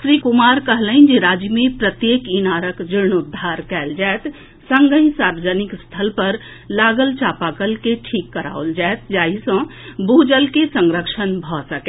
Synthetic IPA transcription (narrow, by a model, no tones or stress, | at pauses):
sɾikumaɾkəɦlənd͡ʒeɾad͡ʒmepɾət̪jekinaɾəkd͡ʒiɾnud̪ʱːaɾkɛːld͡ʒaet̪ | sə̃ŋɡə̃ɦĩsaɾʋəd͡ʒənikst̪ʰəlpəɾ | laɡəlt͡ʃapakəlkeʈʰikːəɾa̰old͡ʒaet̪̚d͡ʒaɦisə̃bud͡ʒəlkesəŋɾəkʃənbʱɔsəkɛ